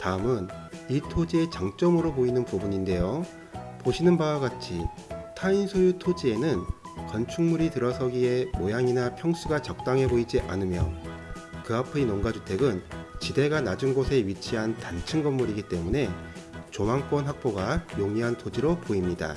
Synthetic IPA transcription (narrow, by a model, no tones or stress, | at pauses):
taɯmɯnitʰod͡ʑie̞t͡ɕaŋt͡ɕ͈ʌmɯɾopoinɯnpubuɲinde̞jo | poɕʰinɯnbawaɡat͡ɕʰi | tʰainsʰojutʰod͡ʑie̞nɯn | kʌnt͡ɕʰuŋmuɾitɯɾʌsʰʌɡie̞mojaŋinapʰjʌŋsʰuɡat͡ɕʌk̚t͈aŋɦe̞boid͡ʑiʔa̰nɯmjʌ̰ | kɯapʰeinoŋɡad͡ʑutʰe̞ɡɯnt͡ɕide̞ɡanad͡ʑunɡosʰe̞ɥit͡ɕʰiɦantant͡ɕʰɯnɡʌmːuɾiɡit͈e̞mune̞t͡ɕomaŋk͈wʌnɦak̚p͈oɡajoŋiɦantʰod͡ʑiɾopoimɲida̰